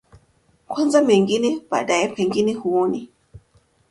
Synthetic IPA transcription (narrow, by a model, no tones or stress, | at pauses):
kʰwɔnzamɛŋɡinɛb̥a̰ɗajɛpʰɛŋɡinɛhuɔni